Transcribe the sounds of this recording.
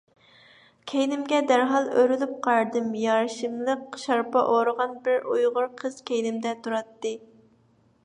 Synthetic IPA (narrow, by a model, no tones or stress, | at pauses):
kʲʰejnɪmɡʲɛd̪æɾɦɑlˠøɾylɪp̚qʰɑɾd̪ɨmjɑɾʃɨmlˠəqʃɑɾpɑʔoɾəʁɑnbɪɾujʁʊɾqʰəz̥kʲʰejnɪmd̪ɛt̪ʰuɾɑt̪ːɨ